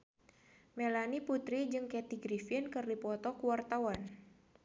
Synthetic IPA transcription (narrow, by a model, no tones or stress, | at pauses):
mɛlaniput̪ɾid͡ʒɨŋkɛt̪iɡɾifinkɨrdipɔt̪ɔkuwart̪awan